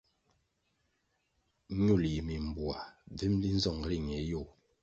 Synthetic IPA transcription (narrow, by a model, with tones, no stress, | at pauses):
ɲu˦˨lji˨mi˨m˨bwa˨b͡vi˦mli˦n̩˦zɔ˦˨ŋ˨ɾi˦˨ŋɛ˨˦jo˦˨